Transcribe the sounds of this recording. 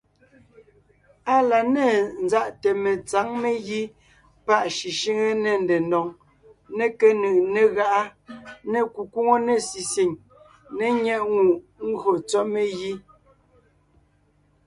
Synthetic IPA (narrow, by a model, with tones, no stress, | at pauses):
a˦la˨ne˦˨n˦za˦˨ʔte˨me˨t͡sa˨˦ŋme˦ɣi˦ | pa˦ʔʃi˨ʃi˦ŋe˦ne˨n̩de˨ndɔ˨ŋ | ne˦ke˦nɯ˨ʔne˦˨ɣa˦ʔa˦ne˦˨ku˨ku˦ŋo˦ne˦˨si˨si˨ŋ | ne˨ɲɛ˦ʔŋu˨ʔŋ̩˦ɡo˨t͡sɔ˦me˦ɣi˦